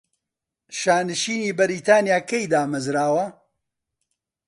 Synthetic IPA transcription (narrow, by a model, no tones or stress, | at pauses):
ʃaːnɨʃiːniːbɐɾiːt̪aːnjaːkɐjd̪aːmɐzɾaːwɐ